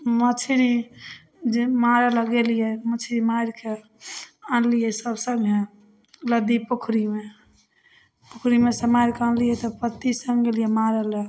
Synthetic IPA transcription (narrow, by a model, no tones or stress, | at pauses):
mət͡ʃʰɾi | d͡ʒemaɾələɡelijɛmət͡ʃʰɾimaɾke | ãlijɛsəbsəŋɡɦe | ləd̪ipukʰɾime | pukʰɾimesəmaɾkeãnlijɛt̪ɔpət̪ːisəŋɡelijɛmaɾələ